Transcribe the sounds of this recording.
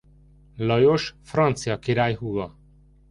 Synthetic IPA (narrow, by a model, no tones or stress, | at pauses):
lɔjoʃfɾɔnt̪sijɒkiɾajɦuɡɔ